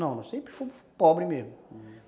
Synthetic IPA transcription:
nɐ̃w̃nɐ̃w̃sẽmpɾɪfojfpɔbɾɪmezmʊ

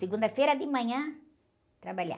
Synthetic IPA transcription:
siɡũnd̪ɐfejɾɐd̪ɪmɐ̃ɲɐ̃ | t̪ɾabaʎa̰

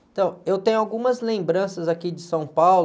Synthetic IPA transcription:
et̪ɐ̃w̃ewt̪ẽɲʊawɡũmɐzlẽmbɾɐ̃sɐzakid͡ʒɪsɐ̃w̃pawl

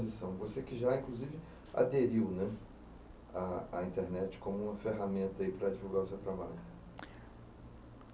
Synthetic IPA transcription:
zisɐ̃w̃vosekɪʒaĩŋkluzivɪ | a̰d̪eɾiwnɛ | aːĩnt̪eɾnɛt͡ʃɪ̥kõmʊũmɐfeɦamẽnt̪ɐipɾɐd͡ʒivuwɡaɾʊsewt̪ɾabaʎʊ

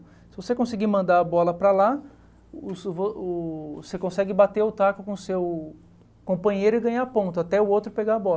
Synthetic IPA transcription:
sɪvosekõsiɡimɐ̃nd̪aɐbɔlɐpɾɐla | ʊsvoʊsekõsɛɡɪbat̪eʊt̪akʊkõsew | kõpɐ̃ɲejɾʊɪɡɐ̃ɲapõt̪ʊat̪ɛʊowt̪ɾʊɪpeɡaɐbɔl

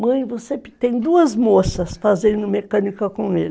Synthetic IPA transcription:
mɐ̃j̃vosept̪ẽj̃d̪uɐzmosɐsfazẽnd̪ʊmekɐ̃nikɐkõelɪ

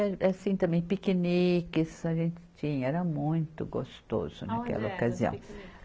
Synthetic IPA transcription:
ɛɛsĩt̪ɐ̃mẽj̃pikinikɪsaʒẽnt͡ʃ̪ɪ̥t͡ʃĩɲɛɾɐmũj̃t̪ʊɡost̪o̰zʊ̰nakɛ̰lɐokaziɐ̰̃w̃

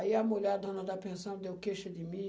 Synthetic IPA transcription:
iɐmuʎʲɛɾd̪õnɐd̪apẽsɐ̃w̃d̪ewkeʃɐd̪ɪmĩ

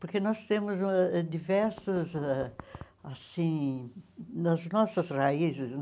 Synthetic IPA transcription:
poɾkenɔst̪ẽmʊzɛɛd̪ivɛɾsɐzɛ | asĩ | nɐznɔsɐzraizɪs

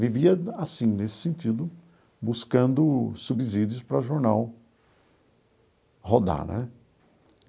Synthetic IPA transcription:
viviɐasĩnesɪ̥sẽnt̪id̪ʊ | buskɐ̃nd̪ʊsubizid͡ʒjʊspɾɐʒoɾnaw | hod̪a̰nɛ̰

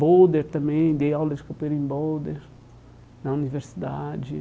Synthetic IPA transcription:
bod̪eɾt̪ɐ̃mẽj̃d̪ejawleskopeɾĩmbod̪eɾ | nɐuniveɾsid̪ad͡ʒɪ

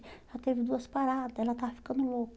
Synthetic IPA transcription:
ɾat̪evid̪uəsi̥paɾad̪elat̪afi̥kənulok

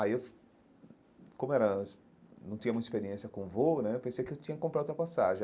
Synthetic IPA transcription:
aiewf | kõmʊɛɾɐ̃ | nɐ̃w̃t̪ĩɲɐmũt̪ispeɾiẽsjɐkõvonɛewpẽsejkɪewt͡ʃ̪ĩɲɐkɪkõmplaɛot̪ɾɐpasaʒẽ

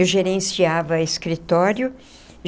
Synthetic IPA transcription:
wʒeɾẽsiavɐeskɾit̪ɔɾjʊ

